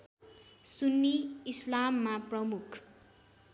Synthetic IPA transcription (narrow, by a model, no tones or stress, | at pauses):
sunːiːslamːaprʌmukʰ